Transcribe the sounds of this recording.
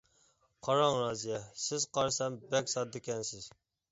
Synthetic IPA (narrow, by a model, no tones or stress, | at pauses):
qʰɑɾɑŋɾɑːzijɛsɪzqɑɾsɛmbɛkʲsɑt̪̚d̪ɪkʲɛnsɪz̥